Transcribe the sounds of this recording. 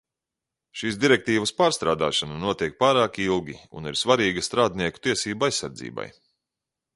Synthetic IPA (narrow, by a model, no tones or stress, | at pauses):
ʃiːsd̪iɾɛk̚t̪iːvɐspaːɾst̪ɾaːd̪a̰ːʃanɐnuɔt̪iɛk̚paːɾaːkilˠɡʲiṵniɾsvaɾiːɡɐst̪ɾaːd̪niɛku̥t̪iɛsiːbuajsːa̰ɾd̪zḭːba̰j